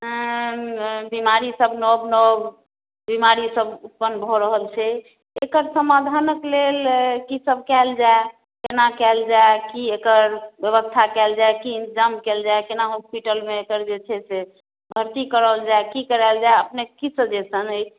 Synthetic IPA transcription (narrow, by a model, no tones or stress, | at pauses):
bimaɾisəbnɔbnɔb | bimaɾisəbut̪̚pənbʱɔɾəɦəlt͡ʃʰɛ | ekəɾsəmad̪ʱanəklelkisəb̚ʱkɛld͡ʒae | kenakɛld͡ʒaekiekəɾbjəβəst̪ʰakɛld͡ʒaekiːnd͡ʒamkɛld͡ʒaekenaɦospiʈəlmeːkəɾd͡ʒet͡ʃʰɛse | bʱəɾt̪ikəɾəld͡ʒaekikəɾald͡ʒaeəpnekisəd͡ʒesənəi